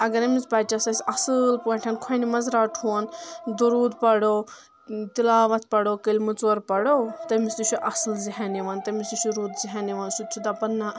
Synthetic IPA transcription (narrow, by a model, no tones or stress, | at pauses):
ɐɡɐɾɐmit͡spɐt͡ʃasɐsʲɐsɨlpoɳʈʰɐnkʰɐjnimɐzɾaʈʰund̪oɾuːd̪pɐɽo | t̪ilaːʋɐt̪ʰpɐɽoːkəlʲmɨt͡soɾpɐɽot̪ɐmisd̪ut͡ʃʰuʔɐsɨlziɦɐniʋɐnt̪ɐmisd̪ut͡ʃʰuɾuːd̪ziɦɐniʋɐnsut̪̚t͡ʃʰud̪ɐpɐnːa